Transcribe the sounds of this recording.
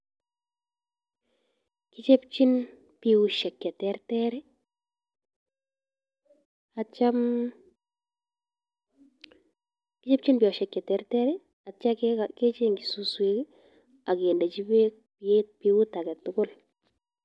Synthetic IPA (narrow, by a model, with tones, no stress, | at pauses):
ki˦t͡ʃe˦pt͡ʃi˦n | pi˨wu˨ʃɛ˨kːɛ˨tɛrtɛɾɛ˦ | a˨t͡ʃa˦m | ki˦t͡ʃe˦p̚t͡ʃi˦npi˨ɔ˨ʃɛ˨kːɛ˨tɛ˦ɾtɛ˦ɾɛ˦ | a˨t͡ʃa˦kake˦t͡ʃe˦ŋɡi˨su˦swe˦k | a˨kenda˨t͡ʃi˦be˦ | pepiwu˦ta˨kɛ˨tʊɡʊ˦l